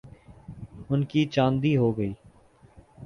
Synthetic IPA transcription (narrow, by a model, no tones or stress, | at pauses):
ʊnkit͡ʃãːnd̪iːɦoːɡəiː